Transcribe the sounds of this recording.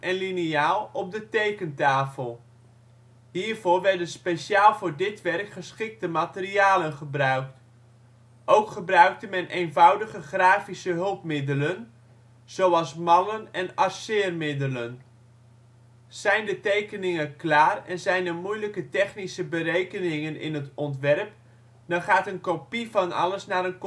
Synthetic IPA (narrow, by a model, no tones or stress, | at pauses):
ʔɛnliniaːlˠɔb̚dətejkəntaːfəlˠ | ɦiːɹvoːrʋɛɹdənspejʃaːlˠvʊːɹdɪtʋɛrkχəsχɪk̚təmatəriaːlənχəbrœɥk̚t | ʔowkχəbrœɥk̚təmɛnʔejnvɑwdəɣəχraːfisəɦɵlˠpmɪdələn | z̥owɑlˠsmɑnənɛnɑrsɪːrmɪdələn | z̥ɛjndətejkənɪŋəklaːrɛ̰nzɛjnəmujləkətɛχnisəbərejkənɪŋənɪ̰nɦətɔntʋɛrp | dɑnχaːtənkopivɑnɑ̰ləsnaːɾənk